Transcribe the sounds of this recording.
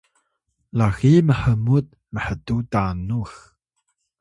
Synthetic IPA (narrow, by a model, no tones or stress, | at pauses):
laximəħəmut̚ | məħətutanux